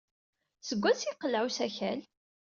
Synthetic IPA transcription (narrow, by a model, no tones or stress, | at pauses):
səɡʷːæt͡siqːəlʕwsæçæl